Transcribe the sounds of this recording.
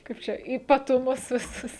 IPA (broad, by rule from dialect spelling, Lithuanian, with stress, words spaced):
ˈkɐɪp t͡ʃʲɛ iːpɐtʊˈmʊs ʋʲɪˈsʊs